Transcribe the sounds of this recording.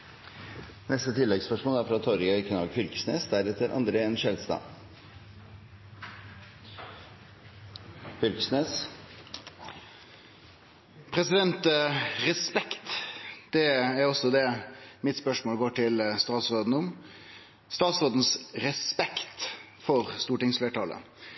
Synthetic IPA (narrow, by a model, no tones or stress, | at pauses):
nɛst̪ət̪ʰɪlːɛɡspœʂmoːæɾfɾɑt̪ʰɔɾɪɡɑɪkʰnɑɡfʏlkə̥sneːsd̪æɾɛt̪ʰːəɾʔɑ̰nd̪ɾəɛnʃɛlst̪ɑ̰ː | fʏlkə̥sneːs | pʰɾɛsɪd̪ɛnt̪ɾɛspɛkt̪d̪̥ɛæɾɔsːɔd̪ɛmɪt̪spœʂmoːlɡoːʈʰɪlst̪ɑːt̪sɾoːd̪n̩ʊm | st̪ɑːt̪sʁoːd̪n̩sɾɛspɛkt̪ | fɔɾst̪uːʈɪŋsfleːʈɑːlə̰